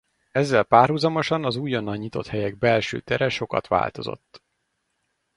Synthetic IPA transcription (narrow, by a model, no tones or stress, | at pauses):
ɛzːɛlpaːrɦuzɒmo̞ʃɒnɒzuːjonːɒɲːit̪o̞̰t̪hɛjɛɡ̚bɛlʃø̰ːt̪ɛɾɛʃo̞kɒ̰t̪ʋa̰ːlt̪o̞̰zo̞̰t̪ː